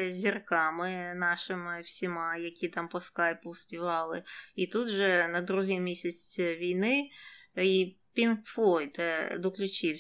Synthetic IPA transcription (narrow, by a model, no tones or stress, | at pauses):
zʲirkɑmɪnɑʃɪmɪwsʲimɑjɐkʲit̪ɑmpɔskɑjpʊwspʲiʋɑlˠɪit̪ut̪ʒɛnɐd̪ɾuɦɪjmʲisʲɐt͡sʲʋʲijnɪ | ipʲinkflɔjt̪ɛd̪ɔklʲʊt͡ʃiw